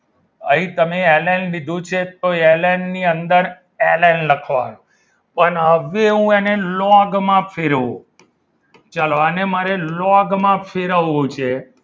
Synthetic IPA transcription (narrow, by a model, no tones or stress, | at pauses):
ə̰ɦĩt̪əmeɛlanlid̪ʱũt͡ʃʰet̪oelanːiənd̪əɾ | elanləkʰʋa̰nũ | pəɳɦəʋeɦũenelɔɡmãpʰeɾṵ̃ | t͡ʃaloənemaɾelɔɡmãpʰeɾəũt͡ʃʰe